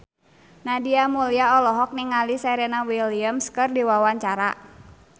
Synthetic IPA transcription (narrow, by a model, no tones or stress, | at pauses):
nadiamuliaɔlɔɦɔk̚niŋalisɛɾɛnawiliəmskɨrdiwawaɲt͡ʃaɾa̰